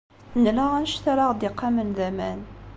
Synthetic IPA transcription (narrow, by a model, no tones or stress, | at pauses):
nlaʁænʃθaɾaʁd̪ɪqːamənðæmæn